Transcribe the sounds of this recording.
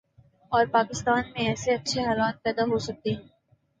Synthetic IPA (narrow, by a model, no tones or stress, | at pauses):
ɔːɾpaːkɪst̪aːnmẽɛːseɐtːʃʰeɦaːlaːt̪̚pɛːd̪aɦosɐk̚t̪eɦɛ̃ː